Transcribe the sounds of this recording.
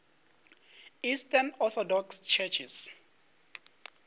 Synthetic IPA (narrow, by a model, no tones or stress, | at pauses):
istanɔθɔdɔkst͡ʃʰɛt͡ʃʰis